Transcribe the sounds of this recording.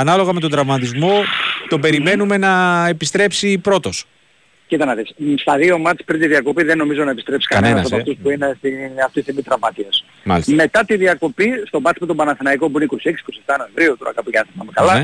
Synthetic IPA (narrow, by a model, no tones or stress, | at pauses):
ɐnɐlo̞ɣɐmet̪od̪ɾɐvmɐt̪izmo̞t̪o̞be̞ɾime̞nume̞nɐepist̪ɾe̞psipɾo̞t̪o̞s | cit̪ɐnɐðesst̪ɐðio̞mɐɾ̥pɾint̪iðiɐko̞piðenːo̞mizo̞nɐepist̪ɾpsi̥kɐɐnenɐsɐpoɐft̪uspuinest̪iɐft̪iθimit̪ɾɐvmɐt̪iɐs | mɐ̰lisme̞t̪ɐt̪iðiɐko̞pist̪o̞bɐsimpet̪o̞bɐnɐθinɐiko̞puineiko̞sieksi̥ko̞sieft̪ɐno̞e̞ɱvɾiut̪o̞ɾɐ̰kɐpuʝɐθɐmɐmekɐlɐ